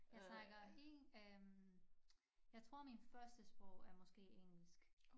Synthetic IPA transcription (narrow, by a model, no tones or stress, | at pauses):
jjɑ̈ɪt͡sʰɑ̈ɡ̥ɐheøm | jɑ̈ɪt͡sʰʁo̝ɐ̰minfɶɐsd̥əsb̥ʁɔʊ̰æɐmɒ̽sɡ̥e̝̰ːeŋ̰l̩sɡ̥